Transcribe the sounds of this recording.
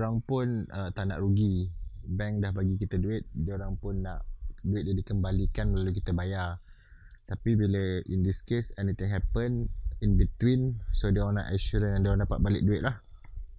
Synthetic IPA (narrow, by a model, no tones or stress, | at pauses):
ɾaŋpʊnət̪anã̰ʔɾuɡibɛŋdahbaɡikit̪əduɪt̪̚dəoɾaŋpʊnːaʔduɪt̪̚jadikəmbalikanməlaluk̬it̪əbajar | t̪apibiləʔindiskesɛnit̪ɪ̃ŋɦɛpəninbit̪winsodiana̰ʔɛʃuɾənjandiãndapat̪̚balɪ̰ʔ̚duɪʔ̪̚lah